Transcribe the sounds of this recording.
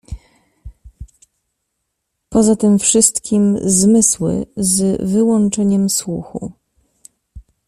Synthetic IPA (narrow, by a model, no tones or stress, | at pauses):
pɔzat̪ɘmfʂɘst̪kʲimzmɘswɘ̰zvɘwɔnt͡ʂɛɲɛmswuxṵ